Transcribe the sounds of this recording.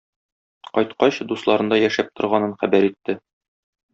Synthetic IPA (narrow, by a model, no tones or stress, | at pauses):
qɒjt̪qɑɕd̪uslˠɑɾɤ̆nd̪ɑjæʃæp̚t̪ŏɾʁɑnɤnχæbæɾit̪ːɘ